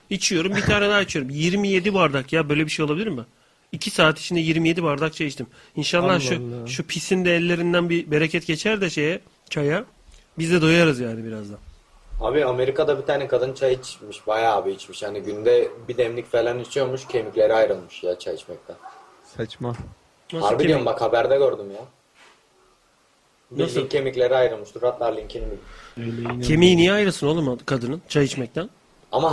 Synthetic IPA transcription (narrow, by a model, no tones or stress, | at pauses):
it͡ʃʰijo̞ɾumbit̪ʰaːnɛd̪aːt͡ʃʰjo̞ɾumjiɾmije̞d̪ibuaɾd̪akjabø̞jlʲebiʃe̞jolˠabilʲiɾmːɪ | icʰisaːt̪ʰi̥t͡ʃʰind̪ɛjiɾmije̞d̪ibuaɾd̪ak̚t͡ʃʰajit͡ʃt̪im | inʃalˠːaɾʃuʃupʰisind̪ɛːlʲːe̞ɾind̪ænbibe̞ɾecʰɛt̪ɟe̞t͡ʃʰæɾd̪ɛʃe̞jɛ | t͡ʃʰaja | bizd̪ɛd̪ojaɾɯzjaːnibiɾazd̪an | a̰ːbiame̞ɾikad̪abit̪ʰaːnɛkad̪ɯnt͡ʃʰajit͡ʃmiʃbajaːbiit͡ʃmiʃhaniɟynd̪ɛbid̪ɛmlʲicfelʲanit͡ʃʰijomuʃcʰemiclʲe̞ɾiajɾɯlˠmɯʃjat͡ʃʰajit͡ʃmɛc̚t̪ʰæn | sat͡ʃma | mahaɾbid̪ijombakhabæɾd̪ɛɡøɾd̪umja | b̪niaincʰemiclʲe̞ɾiajɾɯlˠmɯʃt̪ʰuɾat̪lˠaɾlʲincʰenibilʲlcʰemijnijajɾɯsɯno̞lˠumkʰad̪ɯnɯnt͡ʃʰajit͡ʃmɛc̚t̪ʰæn | ama